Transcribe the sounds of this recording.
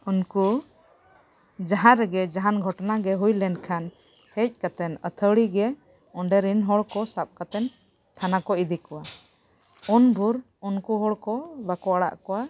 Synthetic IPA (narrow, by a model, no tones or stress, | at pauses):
unku | d͡ʒaɦãɾɛɡɛd͡ʒaɦanɡʱɔʈnaɡɛɦujlɛnkʰan | hɛc̚ˀkat̪ɛnət̪ʰəwɽiɡɛ | ɔɳɖɛɾinɦɔɽkɔsap̚kat̪ɛn | t̪ʰanakɔid̪ikɔwa | ɔnbʱuɾ | unkuɦɔɽkɔbakɔaɽa̰ʔkɔwa